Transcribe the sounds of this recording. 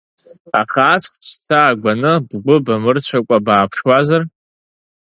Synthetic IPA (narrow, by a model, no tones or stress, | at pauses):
aχaːt͡sχt͡ʃʷʰtʰaːɡʷanɨbɡʷʊbamɨrt͡ɕʷʰakʷʼabaːpʰʂwazar